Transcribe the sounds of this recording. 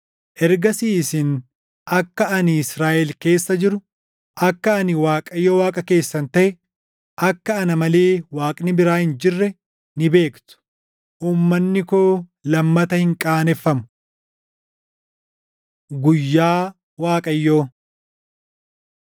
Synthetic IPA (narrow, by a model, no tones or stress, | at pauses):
ʔɛɾɡɐsiːsɪn | ʔɐkːɐɐnɪɪsɾaːʔɛlke̞ːsːɐd͡ʒɪɾʊ | ʔɐkːɐːnɪwaːkʼɐjːoːwaːkʼɐke̞ːsːɐnt̪ɐʔɛ | ʔɐkːɐːnɐmɐle̞ːwaːkʼnɪbɪɾaːhɪnd͡ʒɪrːɛ | nɪbe̞ːkt̪ʊ̥ | ʔuːmːɐnːɪkoːlɐmːɐt̪ɐhɪŋkʼaːnɛfːɐmʊ̥ | ɡʊjːaː | waːkʼɐjːo̞ː